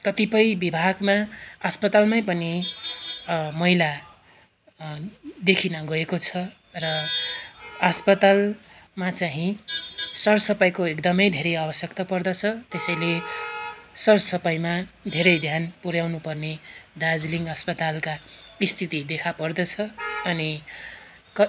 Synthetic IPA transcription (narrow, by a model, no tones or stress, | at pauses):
kʌt̪ipʌjbibʱaɡmaʌspʌt̪almajpʌni | mʌila | d̪ekʰinʌɡʌekot͡sʰʌ | rʌ | ʌspʌt̪al | mat͡saɦĩ | sʌrsʌpajkoekd̪ʌmʌjd̪ʱeɾʌjabʌsjʌkt̪ʌpʌrd̪ʌt͡sʰʌt̪esʌjle | sʌrsʌpʌjmad̪ʱeɾʌjd̪ʱjanpuɾjawnupʌrned̪ad͡zliŋɡɦʌspʌt̪alkaist̪ʰit̪id̪ekʰapʌrd̪ʌt͡sʰʌʌni | kʌ